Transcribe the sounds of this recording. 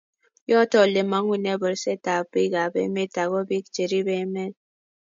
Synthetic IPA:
jɔ˦tɔ˨le˨ma˨˦ŋu˨ne˦bə˨ɾse˦ta˨pi˦ɡa˨bḛ˦me˦ta˨ɣɔ˦bi˦kt͡ʃe˨ɾi˦be˦me˦n

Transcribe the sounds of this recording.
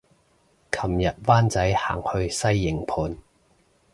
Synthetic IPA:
kʰɐ˨˩mjɐ˨t̚waː˥nt͡sɐ˨˥jha̰ː˨˩ŋhɵ˧ɥsɐ˥jːɪ˨ŋpʰuː˨˧n

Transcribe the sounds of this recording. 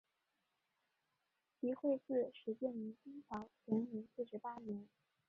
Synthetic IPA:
pi˧˥xwe˥˧ɪt͡sɹ̩˥˩ʂɻ̩˧˥t͡ɕjɛ˥˩ni˧˥t͡ɕi˥nt͡sʰɑ˧˥ʊt͡ɕʰɛ˧˥mi˧˥sɹ̩˥˩ʂɻ̩˧˥pa˥njɛ˧˥n

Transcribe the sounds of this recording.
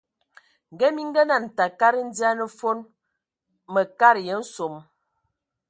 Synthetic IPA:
ŋ̩˨ɡɛ˦mi˦ŋ̩˦ɡə˦na˨n̩˨ta˨ka˦ɾə˦n̩˦di˦a˦nə˦˨fo˦n | mə˨ka˦ɾjə˨˦n̩˦so˨m

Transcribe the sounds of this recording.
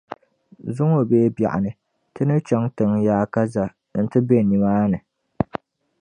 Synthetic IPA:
zʊ˦ŋo˨beː˦bja̰˨ʔa̰˨nɨ˨ | tɨ˦nɨ˦t͡ʃɛ˦ŋtɨ˨ŋjaː˨˦ka˦za˨ | n̩˨tɨ˦be˦˨ni˨maː˦nɨ˨

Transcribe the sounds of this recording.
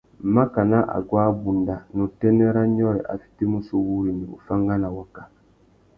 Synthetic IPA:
m̩˨˦ma˦ka˨na˦ʔa̰˨ɡwaː˦bu˨nda˨nũ˨tɛ˦nɛ˦ɾa˦ɲɔ˦ɾɛ˨ʔa̰˨fi̥˦te˦mu˦so˦wu˦ɾi˨ni˨bṵ˨fa˦ŋɡa˦na˨wa˨ka˨

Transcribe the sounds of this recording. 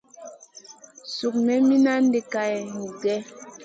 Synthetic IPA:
su˨k̚mɛ˦mi˦na˦n˦de˨ka˨ɛ˨ŋ˨ɡɛ˦

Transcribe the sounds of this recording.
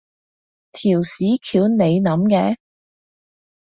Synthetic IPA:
t̪ʰiː˨˩wsiː˨˥kʰiː˨˧˥wne˨˧jnɐ˨˥mkɛ̰ː˧˥

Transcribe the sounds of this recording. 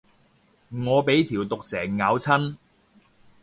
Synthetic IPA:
ŋɔː˨˧pe˨˥jt̪ʰiː˨˩wt̪ʊ˨k̚sɛː˨˩ŋːaː˨˧wt͡sʰɐ˥n

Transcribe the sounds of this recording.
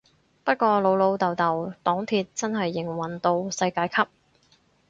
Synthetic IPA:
pɐ˥t̚kʷɔː˧lo˨˧wlo˨˧wt̪ɐ˨wt̪ɐ˨˩wt̪ɔː˨˥ŋt̪ʰiː˧t̚t͡sɐ˥nɦɐ˨jːɪ˨˩ŋwɐ˨˩nt̪o˧wsɐ˧jkaː˧jkʰɐ˥p̚

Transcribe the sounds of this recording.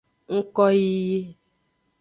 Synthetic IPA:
ŋ̩˦kɔ˦ji˦je˦

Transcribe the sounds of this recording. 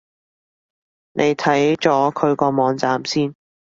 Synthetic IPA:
nʔe˨˧jt̪ʰɐ˨˥jt͡ʃɔː˨˥kʰɵ˨˧ɥkɔː˧mɔː˨˧ŋt͡saː˨msiː˥n

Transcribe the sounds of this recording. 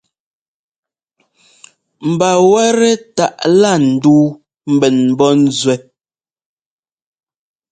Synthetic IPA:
m̩˨ba˨wɛ˦ɾɛ˦ta̰˨ʔla˦˨n̩˨duː˦ | m̩˦bɛ˨nm˨bɔ˦n̩˦zwɛ˨

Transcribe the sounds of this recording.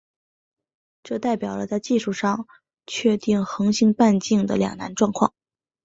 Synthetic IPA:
ʈ͡ʂɤ˥˧t̪a˥˩ɪpjɑ˨˩ʊlə˦t͡sa˥˧ɪt͡ɕi˥˧ʂu˥˩ʂɑ˥˧ŋ | t͡ɕʰɥɛ˥˧t̪i˥˩ŋxɤ˧˥ŋɕi˧˥ŋpa˥˧nt͡ɕi˥˩ŋd̪ə̰˩ljɑ̰˨˩ŋna̰˧˥nʈ͡ʂwɑ˥˧ŋkʰwɑ̰˥˩ŋ

